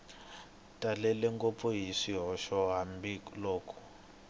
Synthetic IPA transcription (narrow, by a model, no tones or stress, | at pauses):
tʼalɛlɛŋkʼɔpfɔɦiʂiɦɔʃɔɦambiloːkʰɔ̥